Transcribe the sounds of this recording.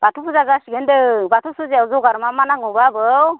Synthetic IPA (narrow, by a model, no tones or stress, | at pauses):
b̥atʰupʰuzazasiɡendɯbatʰusuzeawzɔwɡaɾmamanaŋɔbabɯw